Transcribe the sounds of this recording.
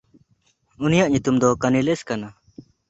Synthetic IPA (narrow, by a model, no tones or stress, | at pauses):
unijaʔɲut̪umd̪ɔkanileskana